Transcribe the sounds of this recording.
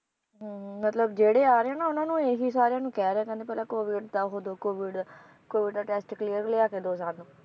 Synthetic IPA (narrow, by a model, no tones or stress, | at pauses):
ɦmət̪ləbd͡ʒeːɽeːaːɾeːãːnaːʊnãːnũːeːɦiːsaːɾjãːnũːkɛːɾeãkɛ̃ːnd̪eːpɛːlãːkoːʋɪɖd̪aːɦoːd̪oːkoːʋɪɖ | koːʋɪɖd̪aːʈɛːsʈkliːəɾleːaːkeːd̪oːsaːɾnũː